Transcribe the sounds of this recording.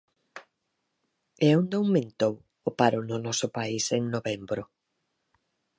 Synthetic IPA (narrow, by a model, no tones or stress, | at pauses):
ɛond̪owŋmẽnt̪ow | opaɾʊnʊnɔsʊpaiseŋnoβembɾʊ